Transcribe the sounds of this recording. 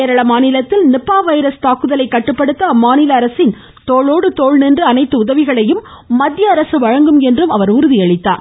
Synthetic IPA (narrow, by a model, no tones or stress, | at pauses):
eːɾɐɭɐmaːnɪlɐt̪ːɪlnɪpːaːʋɐɪɾɐst̪aːkɯðɐlɐɪkːɐʈːɯpːɐɽɯt̪ːɐmːaːnɪlɐːɾɐsɪn | t̪oːɭoːɽɯt̪oːɻnɛndrɯɐnɐɪt̪ːɯʊðɐʋɪɣɐɭɐjɯmː | ɐd̪ʱjɐːɾɐsɯʋɐɻɐŋɡɯmɛndrɯmɐʋɐɾʊɾɯðɪɐɻɪt̪ːa̰ːɾ